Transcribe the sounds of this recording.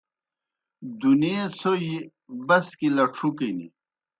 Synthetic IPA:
d̪uniet͡sʰoji | bɐskilɐʈ͡ʂʰukinḭ

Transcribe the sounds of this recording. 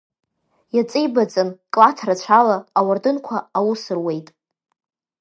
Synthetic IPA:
jat͡sʼejbad͡zʼankʼlatʰrat͡ɕʷʰalaːwardɨnkʷʰaawʊsɨrwe̞jtʼ

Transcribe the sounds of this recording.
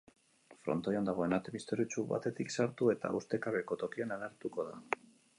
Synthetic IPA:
fɾo̞̰nt̪ojand̪aɣ̞o̞e̞nat̪eβist̪oɾit͡ʃuβa̰t̪e̞t̪iksaɾt̪ue̞t̪a̰ʔust̪e̞kaβeko̞t̪o̞kianaleɾt̪uko̞ða̰

